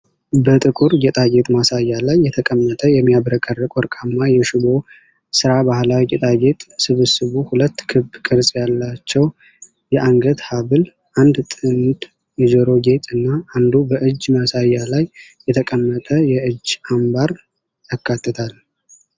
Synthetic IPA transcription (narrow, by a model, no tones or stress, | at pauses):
bət̪ʼɨkʼuɾjɛt̪ʼaɡet̪ʼmasajːalajːɛt̪ʰəkʼəmːət̪ʼəjɛmːijabəɾəkʼərːəkʼwɔɾkʼamːajɛʃɪbo̞ | sɨɾabahlawiɛt̪ʼaɡet̪ʼsɨβɨsɨβuhulət̪ːkʰɨbkʼɨɾsʼjalːat͡ʃːɛw | jɛʔaŋɡət̪haβɨl | ʔand̪t̪ʼɨnt̪ʼ | jɛd͡ʒəɾo̞ɡe̞t̪ʼɨnːaand̪ubəʔɨd͡ʒːmasajːalajː | ɛt̪ʰəkʼəmːət̪ʼəjɛɨd͡ʒːambaɾ | jakːat̪ːɨt̪ʰal